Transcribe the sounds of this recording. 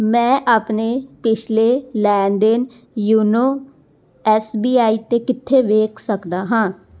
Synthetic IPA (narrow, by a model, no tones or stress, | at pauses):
mɛ̃ːʔaːpneːpɪt͡ʃʰleːlɛːnd̪ɪn | juːnoː | ɛːsbiːaːiːt̪eːkɪt̪ʰːeːʋeːkʰsəkd̪aːɦãː